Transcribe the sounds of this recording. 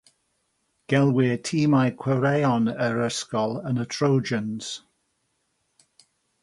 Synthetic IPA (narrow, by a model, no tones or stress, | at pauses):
ɡ̥ɛlˠwɪːtʰiːmajkʰw̥ɛwɾɛjɔnəɹəskɔlˠənətʰɹowd͡ʒənz̥